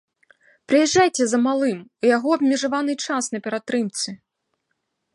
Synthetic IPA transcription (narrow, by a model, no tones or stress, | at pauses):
pɾɨjɛʐːajt͡sʲɛzɐmalˠɨmujaɣɔɐbmʲiʐavanɨt͡ʂasnɐpʲɛɾat̪ɾɨmt̪sɨ